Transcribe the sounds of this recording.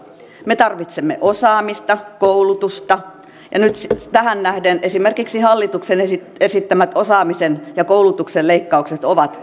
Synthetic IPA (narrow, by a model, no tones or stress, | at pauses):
met̪ɑrʋit̪semːeʔosɑːmist̪ɑkoulut̪ust̪ɑ | jɑ̰nyt̪t̪æhænnæhdenʔesimerkiksihɑlːit̪uksenesi | esit̪ːæmæt̪osɑːmisenjɑkoulut̪ukselleikːɑukset̪oʋɑt̪